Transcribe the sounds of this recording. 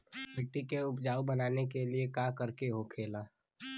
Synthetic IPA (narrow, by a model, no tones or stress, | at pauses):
ɪk̚ʈikeʊpd͡ʒaːubənaːnekeliekaːkəɾkeɦokʰeːlaː